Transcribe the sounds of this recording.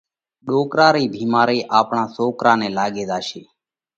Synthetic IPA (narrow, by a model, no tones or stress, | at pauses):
ɗoːkɾaːɾiːbʱiːmaːɾiːʔaːpɳãːsoːkɾãːnɛ̃ːlaːɠeːzaːʃeː